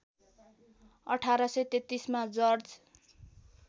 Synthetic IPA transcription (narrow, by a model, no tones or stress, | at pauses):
ʌʈʰaɾʌsʌjt̪et̪ːismad͡zʌrd͡z